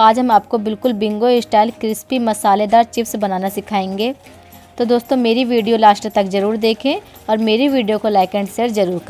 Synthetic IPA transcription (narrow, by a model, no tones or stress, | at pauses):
aːd͡ʒɦɐmaːp̚kobɪlkʊlbɪ̃ŋɡoesʈaːɪlkɾɪspimɐsaːled̪aːɾt͡ʃɪfsbɐnaːnasɪkʰaːẽːŋɡeː | t̪od̪oːst̪õmeːɾiʋiːɖijolaːʃʈət̪ɐkzɐɾuːɾd̪eːkʰẽ | ɔːɾmeːɾiʋiːɖijokolɛːkɛ̃ɳɖseɾzɐɾuːɾkɐ